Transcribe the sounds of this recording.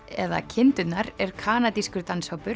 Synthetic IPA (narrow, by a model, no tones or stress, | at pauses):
ɛða̰cʰɪnt̪ʏt̪naɾɛɾ̥kʰaːnat̪iskʏɾt̪anshɔwpʏɾ